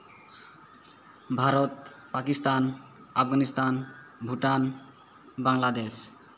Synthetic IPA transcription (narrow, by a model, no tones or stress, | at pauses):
bʱaɾot̪ | pakist̪an | afɡanist̪an | bʱuʈan | baŋlad̪eʃ